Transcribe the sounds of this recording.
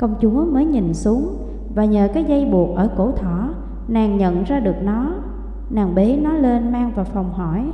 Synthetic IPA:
kə˧wŋ͡mt͡ɕu˨˦əməː˨˦jɲi˨˩nsu˨˦əŋ | vaː˨˩ɲəː˨˩kaː˨˦jza˧jɓu˨˩ək̚ʔəː˧˩ko̰˧˩t̪ʰɔ˧˩ | naː˨˩ŋɲə̰˧˨nzaː˧ɗɨ˨˩ək̚nɔ˨˦ | naː˨˩ŋɓe˨˦nɔ˨˦le˧nmaː˧ŋvaː˨˩fa˨˩wŋ͡mhɔ˧˩j

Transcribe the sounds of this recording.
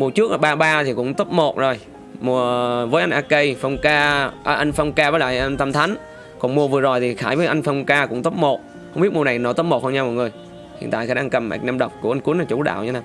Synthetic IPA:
mu˨˩ət͡ɕɨ˦˥k̚la˨˩ɓaː˧ɓaː˧t̪ʰi˨˩kʊ̰˧˥ŋ͡mt̪o˦˥p̚mo˨˩t̚zo˨˩j | mu˨˩əvəː˨˦jʔa˧jŋʔaː˧kə˧jfə˧wŋ͡mkaː˧ʔəː˧˩ʔa˧jŋ̟fə˧wŋ͡mkaː˧vəː˨˦laː˧˨ʔə˧ŋt̪ə˧mt̪ʰa˨˦ŋ̟ | kɔ˨˩nmu˨˩əvɨ˨˩əzo˨˩jt̪ʰi˨˩xaː˧˩jvəː˨˦jʔa˧jŋ̟fə˧wŋ͡mkaː˧kʊ̰˧˥ŋ͡mt̪o˦˥p̚mo˨˩t̚ | hə˧wŋ͡mɓi˦˥t̚mu˧˩na˨˩jnɔ˨˧˦t̪o˦˥p̚mo˨˩t̚hə˧ɲa˧mɔ̰˨jŋɨ˨˩əj | hḭ˧˩ənt̪a̰ː˧˨kʰa˧˩˦ɗaː˧kə˨˩mʔa̰˨˩k̚naː˧mɗə˨˩wk͡p̚ku˧˩əʔa˧jŋ̟ku˨˦əna˨˩t͡ɕu˧˦ɗa̰ː˧˨wɲ˧˦naː˨˩

